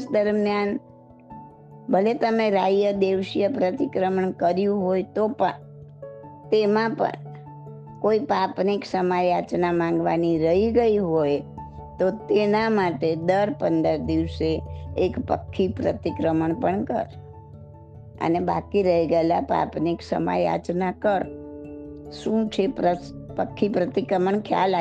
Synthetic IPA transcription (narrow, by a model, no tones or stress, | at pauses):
sd̪əɾmjan | bʱəlet̪əmẽɾajəd̪eʋʃjəpɾət̪ikɾəməɳkəɾjũɦojt̪opəɳ | t̪emãpə̰ɳ | koipapniksəmajat͡ʃnamãŋ̆ɡʋa̰niɾəɦiɡəiɦoj | t̪ot̪enamaʈed̪əɾpənd̪əɾd̪iʋseːkpə̰kʰːipɾə̰t̪ikɾəməɳpəɳkə̰ɾ | ə̰nebakiɾəɦiɡəelapa̰pniksə̰ma̰ja̰t͡ʃnakəɾ | ʃũt͡ʃʰepɾə | pəkʰːipɾət̪ikɾəməɳkʰja̰la